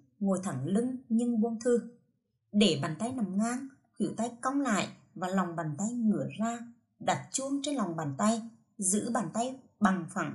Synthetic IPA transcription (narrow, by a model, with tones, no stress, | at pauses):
ŋo˨˩jt̪ʰaː˧˩ŋlɨ˧ŋɲɨ˧ŋɓu˧ənt̪ʰɨ˧ | ɗe˧˩ɓaː˨˩nt̪a˧jna˨˩mŋaː˧ŋ | hwḭ˧˩əwt̪a˧jka˧wŋ͡mla̰ː˧˨jʔ | vaː˨˩la˨˩wŋ͡mɓaː˨˩nt̪a˧jŋɨ˧˩˦əzaː˧ | ɗa˨˩t̚t͡ɕu˧ənt͡ɕe˧nla˨˩wŋ͡mɓaː˨˩nt̪a˧j | zɨ̰˧˥ɓaː˨˩nt̪a˧j | ɓa˨˩ŋfa˧˩˦